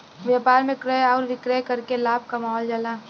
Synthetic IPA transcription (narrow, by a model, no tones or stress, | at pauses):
ʋjaːpaːɾmẽkɾəjɔːɾʋɪkɾəjkəɾkelaːb̚ʱkamaːɦɔːld͡ʒaːlaː